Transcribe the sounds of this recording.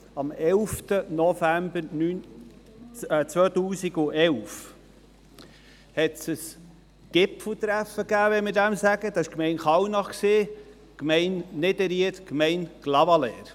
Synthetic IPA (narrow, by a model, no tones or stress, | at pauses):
ɑmɛlft̪ənɔfæmbəɾny | t͡sʋœːt̪uːsiɡʊɛlf | hɛtsəs | ɡ̥ɪpfl̩t̪ɾæfəɡæːʋɛmɪɾdæmsæɡ̥əd̪ɑɪʃkmɛɪnχɑwnɑχksiː | kmɛɪnnedɛɾiətkmɛɪnɡ̥lɑvɑlɛ̰ːɾ